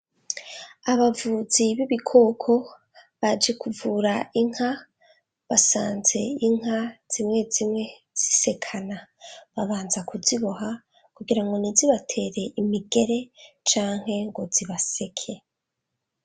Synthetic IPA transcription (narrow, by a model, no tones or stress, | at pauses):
aβavuziβiβikʰo̞ːkʰo̞ | βad͡ʒekuvuːɾaiŋ̥ha | βasaːnze̞iŋɦaz̥imŋe̞zimŋe̞ | z̥ise̞kʰanaβaβaːnzakuziβoɦa | kuɡiɾaŋɡo̞niziβatʰe̞ːɾe̞ʔimiɡe̞ɾe̞t͡ʃaːŋ̥ɦe̞ŋɡo̞ziβase̞kʰe̞